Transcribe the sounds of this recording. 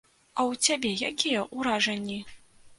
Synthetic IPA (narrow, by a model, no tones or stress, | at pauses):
ɐwt͡sʲabʲɛjakʲijɛʔuɾaʐɐnʲːi